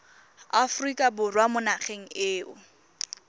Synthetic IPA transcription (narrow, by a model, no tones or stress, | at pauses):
afrikʼabʊrwamʊnaχeŋ̩ɪːʊ